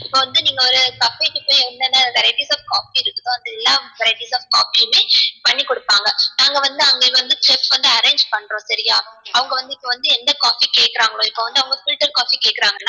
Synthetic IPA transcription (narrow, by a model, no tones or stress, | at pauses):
ɪpːoːʋɐnd̪ɯniːŋɡɐɔɾɯsɐfɐʈːɯpoːjɐnd̪ɛnːɐʋɛɾɐɪʈiːsaːfkaːfiɪɾɯkːɯðõːɐnd̪ɛlːaːʋɛɾɐɪʈiːsaːfka̰ːfimeːpɐɳːikːɔɽɯpːaːŋɡɐnaːŋɡɐʋɐnd̪ɯɐŋɡeʋɐnd̪ɯʈɛpʋɐnd̪ɯɐɾẽːɲd͡ʒpɐɳːɾõːsɐɾɪjaːɐʋɐŋɡɐʋɐnd̪ɯɪpːoʋɐnd̪ɯɛnd̪ɐkaːfikeːʈkɪɾaːŋɡɐɭõːɪpːoʋɐnd̪ɯɐʋɐŋɡɐfɪlʈːɐɾkaːfikeːʈkːɪɾaːŋɡɐlːaː